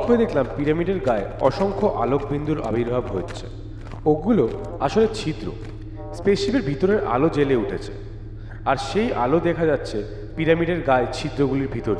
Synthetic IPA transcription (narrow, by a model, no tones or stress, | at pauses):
oed̪ekʰlampiɾamiɖeɾɡaeɔʃoŋkʰoʔalok̚bind̪ʱuɾʔa̰bʱiɾbʱabɦoːt͡ɕʰḛ | oɡulo | aʃolet͡ɕʰid̪ɾo̰ | speʃibeɾbʱit̪oɾeɾʔa̰lod͡ʑeleuʈʰet͡ɕʰḛ | aɾʃejʔa̰lod̪ɛkʰad͡ʑatːɕʰe | piɾamiɖeɾɡaet͡ɕʰid̪ɾoɡuliɾbʱit̪oɾ